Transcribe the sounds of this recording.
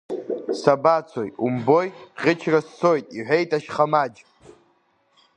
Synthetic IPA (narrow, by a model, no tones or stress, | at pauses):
sabat͡sʰojumbo̞jʁʲɪt͡ʃʰrasːo̞jtʼiħʷᶣejtʼaʃχamad͡ʒ